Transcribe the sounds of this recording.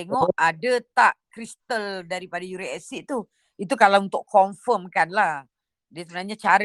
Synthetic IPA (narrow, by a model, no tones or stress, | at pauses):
t̪eŋɔadət̪aʔkɾist̪əldaɾipadajuɾiɛsiʔt̪u | it̪̬ukalaunt̪ʊʔkʰɔɱfəmkanlah | diasəbənaɲat͡ʃaɾ